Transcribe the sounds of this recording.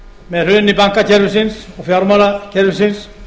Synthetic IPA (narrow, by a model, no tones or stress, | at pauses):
mɛðrʏnipaŋ̥kacʰɛɾʋʏsɪnsɔɣfjaɾmaɾacʰɛɾʋʏsɪns